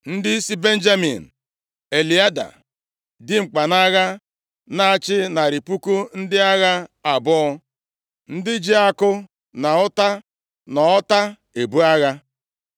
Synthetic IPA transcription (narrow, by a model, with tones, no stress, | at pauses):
n̩˦dɪ˦i˦si˦be˦n̩˦d͡ʒa˦mḭ˨n̩˨ | e˨li˨a˦da̰˨ | dɪ˦ŋ͡m̩˨k͡pa˨na˦ɣa˦ | na˨a˨t͡ʃɪ˦na˨ɾi˨pu˦ku˦n̩˦dɪ˦a˦ɣa˦a˨bɔ˦ɔ˦ | n̩˦dɪ˦d͡ʒi˦a˦kʊ˦ | na˨ʊ˦ta˦ | nɔ˨ɔ˦ta˦ | e˨bu˦a˦ɣa˦